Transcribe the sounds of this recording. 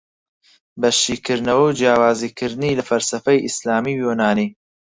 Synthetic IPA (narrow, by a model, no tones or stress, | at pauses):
bɐʃiːkʰɨɾnɐwɐwd͡ʒjaːwaːziːkʰɨɾd̪nilɐfɐlsɐfɐjʔislaːmiːwjoːnaːniː